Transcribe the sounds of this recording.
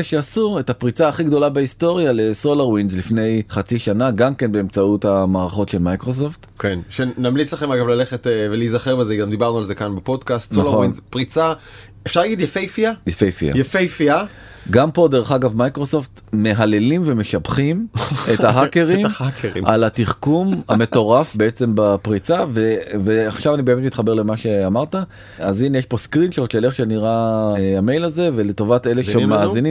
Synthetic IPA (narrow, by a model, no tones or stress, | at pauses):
eʃeasuʁetapʁit͡saːχiɡd̪o̞labehisto̞ʁjaleso̞laʁwinzlifne̞jχat͡siʃanaɡamke̞nbe̞emt͡sautamaːʁaχo̞tʃelmajkʁos̬oftkenʃenamlit͡slaχemaɡavlaleχetevelizaχeʁbezeɡamd̪ibaʁnualzekanbepo̞dkast̪snalʁχoinzpʁit͡sa | efʃaʁlaɡid̪jafejfiajefejfḭa̰jefejfia | ɡampo̞d̪e̞ʁeχaɡavmajkʁo̞so̞ft̪me̞ɦale̞limve̞me̞ʃabχimethaɦakeʁimakʰeʁḭʔalat̪iχkumhame̞to̞ʁafbe̞et͡se̞mbapʁit͡saveveaχʃavanibeːme̞t̪mit̪χabe̞le̞maʃe̞amaʁt̪a | azinjeʃpo̞skʁinʃelot͡ʃʃele̞χʃeniʁaamejlaze̞ve̞leto̞vat̪eleʃeemaːzini